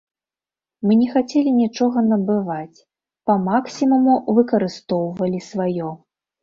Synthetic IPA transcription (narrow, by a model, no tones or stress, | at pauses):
mɨnʲɛxat͡sʲɛlʲinʲit͡ʂɔɣɐnɐbɨvat͡sʲ | pɐmaksʲimumuvɨkɐɾɨst̪ɔwvɐlʲisvajɔ